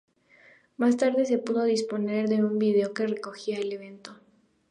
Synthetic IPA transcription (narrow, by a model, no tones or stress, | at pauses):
mast̪aɾðe̞s̬e̞puðo̞ðispo̞ne̞ɾðe̞umbiðe̞o̞ke̞re̞ko̞xiaele̞β̞e̞nt̪o̞